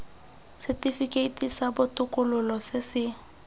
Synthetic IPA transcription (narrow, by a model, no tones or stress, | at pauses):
sɛtifikʼeitʼisabʊtʼʊkʼʊlʊlɔsɪsɪ